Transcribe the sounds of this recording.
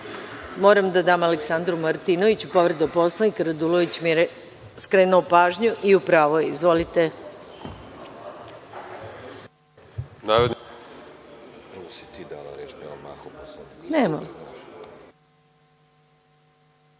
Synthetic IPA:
mo̞ːɾamd̪ad̪aːmaleksand̪ɾumaɾt̪inoʋit͡ɕupo̞ʋɾed̪apo̞slˠanikaɾad̪uloʋit͡ɕmieɾ | skɾeːnuopaːʒɲuʔiupɾaːʋojeizʋo̞lit̪e | naːɾod̪n | ɛmosit̪iːd̪a̰ːla̰ɾet͡ʃnema̰ma̰xoposlanneːmam

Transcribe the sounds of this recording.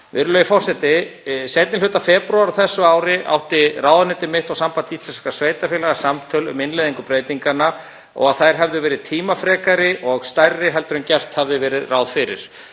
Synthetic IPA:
vɪɾʏlœjɪfɔwr̥sɛt̪ɪsejt̪nɪlʏt̪afɛːpɾawaɾaθɛsːʏaːwɾɪʔa̰wht̪ɪraːwðanɛt̪ɪmɪht̪awsampant̪ɪit̪sɛnskasveːjt̪afɪːlaɣasamt̪ʰœlʏ̰mɪnlejðiŋkʏpɾeːjt̪iŋkana | ɔ̰ɣaðθajɾ̥ɦɛvðɪvɛːɾɪðt̪ʰiːmafɾɛːkaɾɪʔɔɣst̪ajrːɪɦɛlt̪ʏɾʏmcɛr̥t̪havðɪvɛːɾɪðraːwðfɪɾɪ̰ɾ̥

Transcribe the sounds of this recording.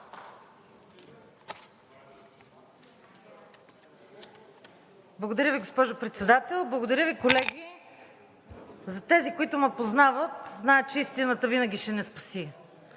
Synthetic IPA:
blˠɡod̪ɐɾʲəviɡospɔʒopɾɛt̪sɛd̪at̪ɛlˠblˠəɡod̪ɐɾʲjəvikolɛɡ̟i | zɐt̪ɛzikoit̪ʊmɛpoznavət̪znaɛt̪̚t͡ʃɛist̪inət̪əvinəɡ̟ʲiʃɛnɛspɐ̥si

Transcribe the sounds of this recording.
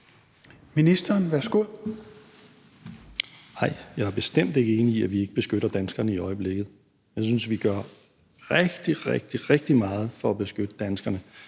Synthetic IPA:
minisd̥ɐːnʋæɐsɡ̥o̝ðˠ | hɑ̈ɪ̰jɑ̈ɪæɐb̥e̝sd̥em̰d̥e̝ɡ̥əe̝ːniːæʋie̝ɡ̥əb̥e̝sɡ̥øɾɐd̥ænsɡ̥ɐnəiɒ̽ɪəb̥le̝ɡ̥ð̞̩ˠ | jɑ̈ɪs̬ynsʋiɡ̥ɶɐ | ʁɛɡ̥d̥iʁeɡ̥̚d̥iʁeɡ̥̚d̥imɑ̈ːð̞̩ˠfɒ̽æb̥e̝sɡ̥ød̥əd̥ænsɡ̥ɐnə

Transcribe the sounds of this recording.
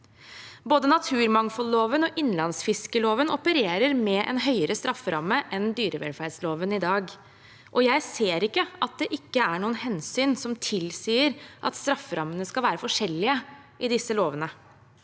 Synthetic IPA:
boːd̪ənɑt̪ʰʉːɾmɑŋfɔlːoːʋənɔʔɪnlɑnsfɪskəloːʋənɔpəɾeːɾəɾmɛʔɛ̰nɦœʏəɾəst̪ɾɑfːəɾɑ̰mːəʔɛnd̪yːɾəʋɛ̰lfæɖsloːʋənɪd̪ɑːɡ | ʔɔjæɪseːɾɪkːəɑt̪̚d̪ɛʔɪkːəæɳuːənhɛnsyːnsɔmt̪ʰɪlsiːəɾʔɑ̰t̪st̪ɾɑfːəɾʔɑmːənəskɑlʋæːɾəfɔʂɛlːɪə | ʔɪd̪ɪsːəloːʋənə

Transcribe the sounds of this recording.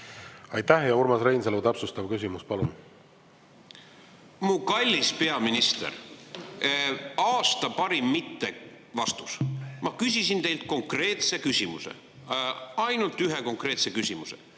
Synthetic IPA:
ɑjt̪ːæhjɑuɾmɑsɾejnselut̪ɑpsust̪ɑb̥̚kysʲimuspɑlun | mukɑlʲːispe̞ɑminist̪ḛr | ɑːst̪ɑpɑɾimːit̪ːe̞ | vɑst̪u̥smɑkys̬ʲisint̪e̞jlt̪̚ko̞ŋkre̞ːt̪se̞kysʲimusḛ | ɑjnult̪ːˑyɦe̞ko̞ŋkre̞ːt̪se̞kysʲimuse̞̰

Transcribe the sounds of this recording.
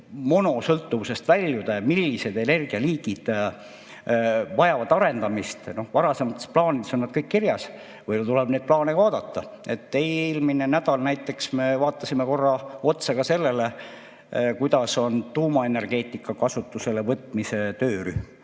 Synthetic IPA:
mo̞no̞sɤlt̪ːuvuse̞st̪vælʲːjud̪̥ɑmilːise̞d̪e̞ne̞rɡ̥iɑliːɡ̥id̪̥ | vɑjɑvɑd̪ɑɾe̞nd̪̥ɑmist̪no̞hvɑɾɑse̞mɑt̪ːˑesplɑːnid̪eso̞nːɑd̪̥kɤjkːirjɑs | vɤjt̪uleb̥ne̞ːd̪̚plɑːnekɑːd̪̥ɑt̪ˑːɑe̞t̪ːelmine̞næd̪̥ɑlnæjt̪ːˑe̞ksme̞vɑːt̪ːˑɑsimeko̞rːɑo̞t̪sɑɡ̥ɑse̞lːe̞le | kujd̪̥ɑso̞nt̪uːmɑe̞ne̞rɡ̥e̞ːt̪ˑikːˑɑkɑsut̪ːˑuse̞le̞vɤt̪ːˑmise̞t̪øːɾyhm

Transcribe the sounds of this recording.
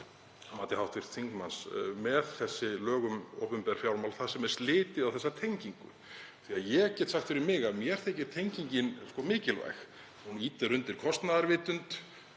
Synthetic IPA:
maːt̪ɪhawht̪vɪr̥t̪θiŋkmansmɛðθɛsːɪlœːɣʏmo̰wpʏmpɛɾ̥fjawɾmawlθaðsɛmɛ̥st̪lɪːt̪ɪðawθɛsːat̪ʰejɲciŋkʏ̰ | θiaðjɛcɛːt̪saxt̪fɪɾɪɾmɪɣaðmjɛɛɾ̥θejcɪ̥t̪ʰejɲciɲcɪnskɔmɪːcɪlva̰jx | huniːt̪ɪɾʏnt̪ɪɾ̥kʰɔst̪naðaɾvɪːt̪ʏnt̪

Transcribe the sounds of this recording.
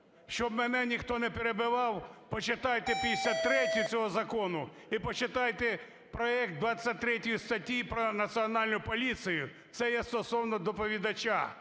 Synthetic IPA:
ʃt͡ʃɔbmɛnɛnʲixt̪ɔnɛpeɾebɪʋɑwpɔt͡ʃɪt̪ɑjt̪epʲisʲlʲɐt̪ːɾɛtʲʊt͡sʲɔɦɔzɐkɔnʊ | ipɔt͡ʃɪt̪ɑjt̪e | pɾɔɛk̚t̪̚d̪ʋɑt͡sʲːɐt̚ʲt̪ːɾɛtʲʊjʊst̪ɐtʲiipɾɔnɐsʲiɔnɑlʲnʊjʊpɔlʲit̪sɨjʊ | t̪sɛjɛst̪ɔsɔwnɔd̪ɔpɔʋʲid̪ɐt͡ʃa̰

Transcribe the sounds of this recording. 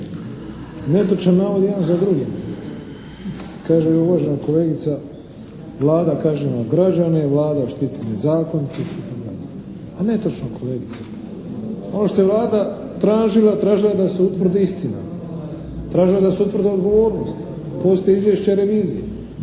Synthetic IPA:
ne̞t̪ot͡ʃnanaːʋod̪jed̪anzad̪ɾuɡen | kaːʒeuʋaːʒenakoleːɡit̪sa | ʋlˠaːd̪akaːʒenaɡɾad͡ʒane̞ʋlˠaːd̪aʃt̪it̪enezaːkonit̪ost̪iit̪akd̪a̰ʎe | ane̞t̪ot͡ʃnokʰole̞ːɡit̪sḁ | onoʃt̪oeʋlˠaːd̪a | t̪ɾaːʒilat̪ɾaːʒilad̪aseut̪vr̩d̪eist̪ina̰ | t̪ɾaːʒilad̪aseut̪vr̩ɾd̪eo̞d̪ɡo̞ʋo̞ːɾnost̪ | po̞st̪ojeizʋjeʃt͡ɕaɾe̞ʋiːzije

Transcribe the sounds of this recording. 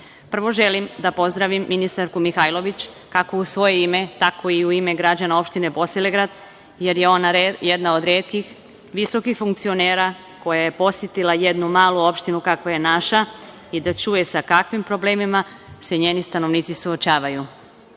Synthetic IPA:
pr̩ʋo̞ʒe̞limd̪apo̞zd̪ɾaʋimːinist̪aɾkumixajlˠo̞ʋit͡ɕ | kako̞usʋo̞je̞ime̞t̪ako̞iuime̞ɡɾad͡ʑanao̞pʃt̪ine̞bo̞sileɡɾad̪ | je̞ɾje̞o̞naɾjed̪nao̞d̪ɾeːt̪kix | ʋiso̞kixfuŋkt̪sio̞neːɾa | ko̞jaje̞po̞sjet̪ilaje̞d̪numaːluo̞pʃt̪inukakʋaje̞naʃa | id̪at͡ʃuje̞sakakʋimpɾo̞ble̞ːmima | se̞ɲe̞ːnist̪ano̞ʋniːt̪sisuot͡ʃaːʋaju

